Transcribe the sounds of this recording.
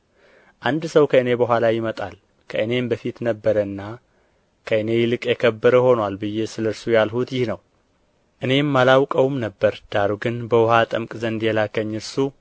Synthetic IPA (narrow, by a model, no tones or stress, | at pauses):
ʔand̪səwkʰəɨne̞bəɦʷalajɪmət̪ʼal | kʰəʔɨne̞mbəfit̪nəbːəɾəɨnːa | kʰəɨne̞jɪlɨkʼjɛkʰəbːəɾəho̞nwalbɨjːe̞sɨləɾsujalhut̪jɪhnəw | ʔɨne̞mːalawkʼəwmnəbːəɾd̪̥aɾuɡɨnbəwhat̪ʼəmkʼzənd̪jɛlakəɲːɨɾsu